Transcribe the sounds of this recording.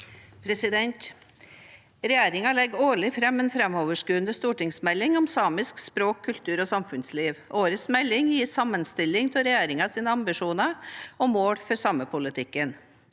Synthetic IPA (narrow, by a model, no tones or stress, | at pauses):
pʰɾɛsɪd̪ɛnt̪ | ɾɛjeːɾɪŋɑlɛɡoːɭɪfɾɛmːeːnfɾɛmoːʋəʂkʉːənd̪əst̪uːʈɪŋsmɛlːɪŋɔmsɑːmɪskspɾoːkʰːʉlt̪ʰʉːɾɔsɑmfʉnsliːʋʔoːɾəsmɛlːɪŋjiːsɑmːənst̪ɪlːɪŋt̪ʰɪlɾɛjæːɾɪŋɑsiːnəɑmbɪʂuːnəɔmoːɽfɔɾsɑməpʰʊlɪt̪ʰɪkːən